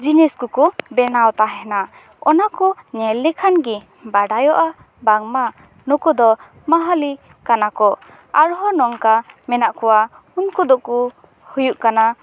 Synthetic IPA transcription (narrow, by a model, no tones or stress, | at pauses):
d͡ʒinɛskukubɛnawt̪aɦɛna | ɔ̰nakunɛlːɛkʰanɡi | baɖajɔʔa | baŋma | nɔkud̪ɔ | maɦali | kanakɔ | aɾɦɔnɔŋkamɛnaʔkʰɔwa | unkud̪ɔku | hujuʔkana